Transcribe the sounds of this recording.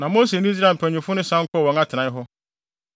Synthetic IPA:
nã˨moː˦se˨ñ˦s̬ɾa˦˨m˨pʰæ̃˨ɲᶣ˨ʊ̃˨fʊ˦nʊ̃˦sã˦ŋ̩˦kʰʷɔ˦˨wɔ̃˨ŋa˦tʰɪ˨ã˨˦ɦʊ˦

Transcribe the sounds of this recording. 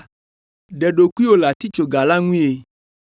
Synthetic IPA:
ɖɛ˨ɖo˨ku˦i˦wo˦la˨t̪i˦t͡ʃo˨ɡa˨la˦ŋũ˦e˨

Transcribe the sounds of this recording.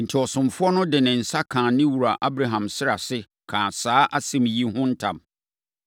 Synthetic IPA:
n̩˨tʰɪ˨ɔ˨sʊ̃˨mfʊ˦ɔ˦nʊ̃˦dɪ˨nɪ̃˨n̩˨sa˦kʰãː˨nɪ̃˦wu˨ɾa˨ʔa˦bɾa˨ɦã˨msɪ˦ɾa˨sɪ˦ | kʰãː˨saː˦ʔa˦sɛ̃˦mji˦hʊ̃˦n̩˦tʰã̰˨m

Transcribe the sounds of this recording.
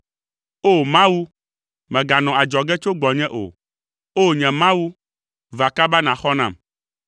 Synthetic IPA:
o˦mã˦wu˦ | mɛ̃˨ɡa˨nɔ̃˨a˨d͡ʒɔ˨ɡɛ˦t͡ʃo˦ɡ͡bɔ˨ɲɛ̃˦ʔo̰˨ | o˦ɲɛ̃˨mã˦wu˦ | va˨ka˦ba˦nã˨xɔ˦nã̰˨m

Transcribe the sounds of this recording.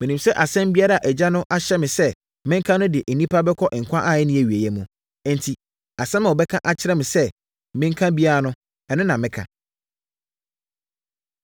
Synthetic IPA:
mɪ̃˨nĩ˨msɛ˦ʔa˨sɛ̃˦m˦bi˦a˦ɾa˦˨a˨ʔɛ˨d͡ʑa˦nʊ̃˦ʔa˦ɕɛ˦mɪ̃˨sɛ˦ | mɪ̃˦ŋ˦kʰã˦nʊ̃˦dɪ˨ʔe˨nĩ˦pʰa˦bɛ˦kʰɔ˦ʔɪ̃˨ŋ̩˨kʷʰã˦ʔa˦˨ɛ˦nɪ̃˦æ˨ɥi˨æ˨jɛ˨mũ˨ | n˨tʰi˨ | a˨sɛ̃˦mã˨wɔ˨bɛ˦kʰã˦ʔa˨t͡ɕʰɪ˦ɾɛ˦mɪ̃˨sɛ˦ | mɪ̃˦ŋ˦kʰã˦bi˦a˦ɾa˦nʊ̃˦ | ɛ˨nʊ̃˦nã˨mɪ̃˦kʰã̰˨

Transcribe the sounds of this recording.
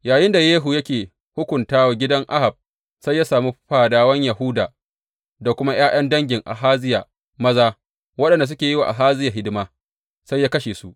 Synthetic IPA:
jaː˨jɪ˦nda˨jeː˦ɦu˨jɐ˦kʲeː˨ | hʊ˦kʷʊ˨ntaː˦wa˨ɡʲɪ˦dɐ˦ŋʔa˦ha˨b̚ | sa˦jːa˦saː˨mi˦ɸaː˨daː˦wɐ˦ɲja˨ɦʊ˦daː˨ | da˨kʷʊ˦ma˦j̰aː˦j̰ɐ˦ndɐ˦ŋɡʲɪ˨ŋʔa̰˨ɦaː˦zɪ˦jaː˨ | mɐ˦zaː˦ | wɐ˦ɗɐ˨nda˨s̬ʊ˦kʲeː˨ji˦waː˨ʔa˨ɦaː˦zɪ˦ja˨ɦɪ˦dɪ˦maː˦ | sa˦jːaː˦kɐ˦ʃeː˨su˦ʔ

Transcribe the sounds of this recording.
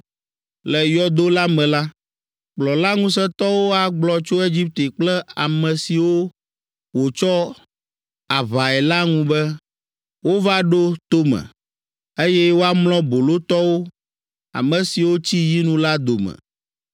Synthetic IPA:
lɛ˨jɔ˦d̪o˦la˦mɛ̃˨la˦ | k͡plɔ˨la˦ŋũ˦s̬ɛ˦t̪ɔ˦wo˦a˨ɡ͡blɔ˨t͡ʃo˦e˦d͡ʑi˦p̚t̪e˨k͡plɛ˦a˨mɛ̃˨si˨wo˦ | wo˨t͡ʃɔ˦ | a˨va˨ɛ˨la˦ŋũ˦bɛ˦ | wo˦va˦ɖo˦t̪o˦mɛ̰̃˨ | e˦jɛ˦wo˦a˦mlɔ̃˦bo˨lo˦t̪ɔ˦wo˦ | a̰˨mɛ̃˨si˨wo˦t͡ɕi˦ji˦nũ˦la˦d̪o˨mɛ̰˨

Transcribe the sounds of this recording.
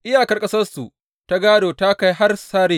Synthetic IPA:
ʔɪ˦jaː˨kɐ˦rkʼɐ˦sɐ˦rsu˨ | ta˦ɡaː˦doː˨ta˦ka˦jɦa˦rsaː˦ɽeː˦

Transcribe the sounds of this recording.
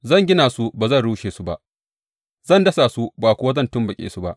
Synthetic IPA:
zɐ˦˨ŋɡʲɪ˦naː˨su˦baː˨zɐ˦˨nɽuː˦ʃeː˨su˦ba˦ | zɐ˦˨ndɐ˦saː˨su˦baː˨kʷʊ˦wa˦zɐ˦˨ntʊ˦mbɐ˨kʲʼḛː˨su˦ba̰˦ʔ

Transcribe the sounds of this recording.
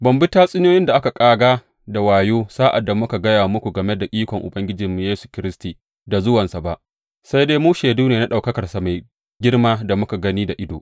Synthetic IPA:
bɐ˨mbɪ˦taː˦sʼɪ˦njoː˦jɪ˦nda˨ʔa˦ka˨kʼaː˦ɡaː˦ | da˨waː˨joː˦saː˦ʔa̰˨dːa˨mʊ˦ka˨ɡɐ˦jaː˨mʊ˦kʷu˨ɡɐ˨me˦da˨ʔʲʼiː˦kʷɔ˨ŋʔʊ̰˨bɐ˦ŋɡʲɪ˦d͡ʒɪ˨mː˨jeː˦su̥˨kʲɪ˦ɾɪ˦stiː˨ | da˨zʊ˦wɐ˨nsa˨ba˦ʔ | sa˦jdeː˦muː˦ʃeː˨duː˦neː˨na˦ɗa˨wkɐ˦kɐ˨rsa˨ma˨j | ɡʲɪ˦rmaː˦da˨mʊ˦ka˨ɡɐ˦niː˦da˨ʔɪ˦do̰ː˨ʔ

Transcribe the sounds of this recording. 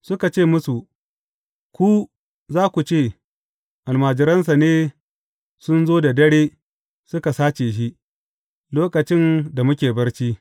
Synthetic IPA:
sʊ˦ka˨t͡ʃeː˦˨mʊ˦su˨ | kʷuː˦ | zaː˦kʷu˨t͡ʃeː˦˨ | ʔa˨lmaː˨d͡ʒɪ˨ɾɐ˦ns̬a˨neː˦ | sʊ˦nzoː˦da˨dɐ˦ɽeː˦ | sʊ˦ka˨saː˦t͡ʃeː˨ʃ̬i˦ʔ | loː˦kɐ˨t͡ʃɪ˦nda˨mʊ˦kʲeː˨bɐ˦rt͡ʃiː˦

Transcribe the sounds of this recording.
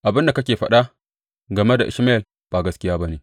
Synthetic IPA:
ʔa˨bɪ˦nda˨kɐ˦kʲeː˨ɸɐ˦ɗa˦ | ɡɐ˨me˦da̰˨ʔɪ̰˨ʃma˦ɛ˨l | b̥a˨ɡɐ˦skʲɪ˦jaː˦bɐ˦neː˨

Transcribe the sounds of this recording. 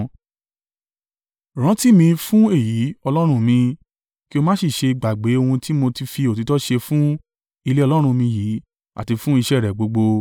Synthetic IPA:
ɾ̃ã˨˦ti˦mĩ˧fũ˦e˦˨ji˨˦ɔ˧lɔ˦ɾ̃ũ˧mĩ˧ | ki˦o˧mãː˦si˦˨ʃe˧i˧ɡ͡ba˨ɡ͡be˨˦o˧hũ˧ti˦mo˧ti˧fi˧o˨ti˨˦tɔ˦ʃe˧fũ˦ | i˧le˦ɔ˧lɔ˦ɾ̃ũ˧mĩ˧jiː˨˦ | a̰˦˨ti˧fũ˦i˦˧ʃɛ˦˨ɾɛ˨ɡ͡bo˨˧ɡ͡bo˧

